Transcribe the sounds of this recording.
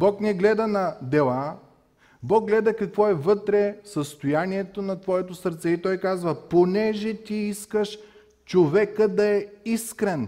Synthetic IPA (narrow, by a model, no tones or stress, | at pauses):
bɔknɛɡlɛd̪ɐnɐd̪ɛlˠa | bɔɡ̚ɡlɛd̪ɐkɐkvɔɛvɤt̪ɾɛsəst̪ojaniɛt̪onɐt̪vɔɛt̪osəɾt̪sɛit̪ɔjkazvəponɛʒɛt̪iiskəʃ | t͡ʃovɛkəd̪ɐɛiskɾɛn